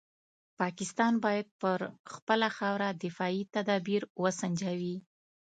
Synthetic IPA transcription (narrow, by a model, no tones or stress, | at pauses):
pɑkɪst̪ɑnbɑjad̪̚pəɾxpəlaxɑwɾad̪ɪfɑit̪ad̪ɑbiɾwəsaɲd͡ʒawi